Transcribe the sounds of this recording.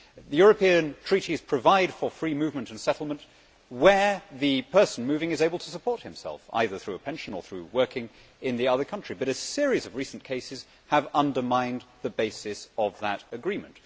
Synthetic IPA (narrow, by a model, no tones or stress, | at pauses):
ðɨjʊɹɨpĩɨ̃ntʰɹ̥iɾiz̥pʰɹ̥ɨvaɪd̥fə˞fɹimʉvmɨ̃ntɨ̃n̩sɛɾl̩ˠmə̃nʔ | wə˞ðɨpʰɜ˞sn̩mʉvɪ̃ŋɨzeɪbəl̩ˠtʰəsəpʰɔɹt̚hɨ̃msɛ̰lˠfa̰ɪðə˞θɹʉəpʰɛ̃nʃɨ̃nə̰˞θɹʉwɜ˞kʰɪ̃ŋ | ɪ̃nðiʌðə˞kʰʌ̃nt͡ʃɹ̥ibʌɾɨsɪɹizʌvɹisn̩kʰeɪsɨz̥ | əvʌ̃ndə˞mãɪ̃nðɨbeɪsɨsʌvðəɾɨɡɹĩmɨ̃nt